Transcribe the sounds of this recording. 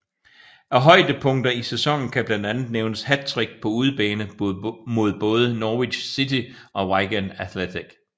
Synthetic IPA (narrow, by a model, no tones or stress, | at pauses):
ʔæɦɒ̽ɪd̥əpʰɔ̽ŋ̰d̥ɐisesɒ̽ŋ̰n̩kʰæb̥lænd̥ænð̞̩ˠneʊnəshæ̥t͡sʰʁiɡ̥̚pʰɒ̽uð̞ˠb̥ɛːnəmo̝ð̞ˠb̥ɔ̽ːð̞ˠənɒːʋiɕsit͡sʰi | ʔɒ̽ʁaɪɡ̥ænæθlet͡sʰiɡ̥